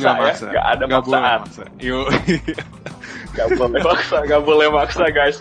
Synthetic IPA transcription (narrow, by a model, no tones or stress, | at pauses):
ɡajasaɡa̰ʔa̰daŋɡakbaat̪̚sajoa | ɡabolɛmaksaŋɡaʔbolɛhmaksaɡajs